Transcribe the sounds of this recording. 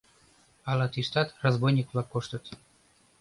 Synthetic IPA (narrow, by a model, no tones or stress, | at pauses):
ɑlɑt̪iʃt̪ɑt̪rozbojnʲikβlˠɑkːoʃt̪ət̪